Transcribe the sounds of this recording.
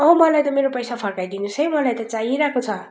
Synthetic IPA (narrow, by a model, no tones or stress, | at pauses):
ʌɦmʌlajt̪ʌmeɾopʌjsapʰʌrkajd̪inusʌjmʌlajt̪ʌt͡saɦiɾakʰot͡sʰʌ